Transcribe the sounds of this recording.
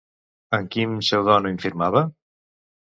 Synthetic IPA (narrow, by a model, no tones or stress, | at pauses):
əŋkimsɛwðɔnuiɱfiɾmaβə